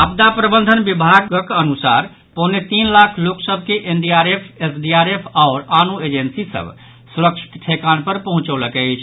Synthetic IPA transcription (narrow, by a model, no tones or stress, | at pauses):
ap̚d̪apɾəbənd̪ʱənbibʱaɡəkənusa̰ɾ | ponet̪inlakʰloksəbʱkeʔenɖiaɾepʰesɖiaɾepʰaʊɾanued͡ʒensisə̰b | suɾək̚t͡ʃʰi̥t̪ʈʰekanpəɾpəɦũt͡ʃələkɛt͡ʃʰ